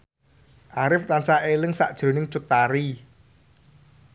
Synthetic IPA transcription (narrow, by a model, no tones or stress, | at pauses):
ʔaɾɪft̪ansaʔelɪŋsa̰ʔd̥ʒ̥ɾo̤nɪŋt͡ʃʊt̪aɾi